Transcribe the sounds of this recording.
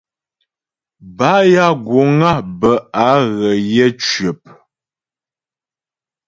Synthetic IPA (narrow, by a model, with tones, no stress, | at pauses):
ba˦ja˦ɡwo˨˦ŋa˦bə˨a˨˦ɣə˨jɛ˦t͡ʃɥə˨p̚